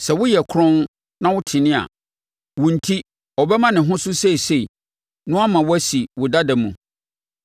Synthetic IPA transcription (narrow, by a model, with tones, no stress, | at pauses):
sɛ˨wʊ˦jɛ˨kʰɾɔ̃˦n | nã˦wʊ˦tʰɪ˨nɪ̃˦a̰˨ | wʊ̃˨n̩˨tʰi˦ | ɔ˨bɛ˦mã˦nɪ̃˨ɦʊ̃˦sʊ˦se˦i˨se˦i˨ | nʊ̃˦a˦mã˨wʊ˦æ˦si˨wʊ˨da˦dɛ˨mṵ̃˨